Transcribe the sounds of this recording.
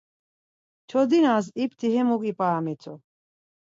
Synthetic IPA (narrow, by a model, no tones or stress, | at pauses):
t͡ʃʰɔd̪inas̬ip̚ʰt̪ʰiɦɛmukʼipʼaːmɛt͡sʰʼɔ